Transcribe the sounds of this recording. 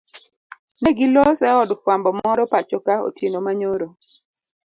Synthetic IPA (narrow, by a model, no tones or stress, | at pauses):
nɛɡɪlɔsɛɔdfwambɔmɔɾɔpat͡ʃokao̰tjenomaɲoɾo